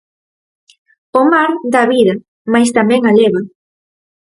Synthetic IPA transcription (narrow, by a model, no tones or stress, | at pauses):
ʊmaɾd̪aβiðɐ | majst̪amɛ̃ŋaleβa